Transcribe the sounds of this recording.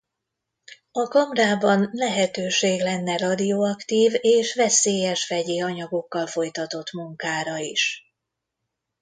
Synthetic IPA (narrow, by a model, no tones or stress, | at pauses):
ɒkɒmraːbɒnlɛɦɛt̪øːʃeːɡlɛnːɛrɒd̪ioɒkt̪iːveːʃʋɛseːjɛʃfɛɟeːɒɲɒɡo̞kːɒlfo̞jt̪ɒt̪o̞t̪muŋkaːɾɒiʃ